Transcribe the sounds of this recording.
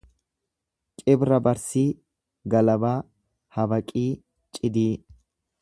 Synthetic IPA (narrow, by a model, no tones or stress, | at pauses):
kʼɪbɾɐbɐɾsiː | ɡɐlɐbaː | hɐbɐkʼiː | t͡ʃʼɪd̪iː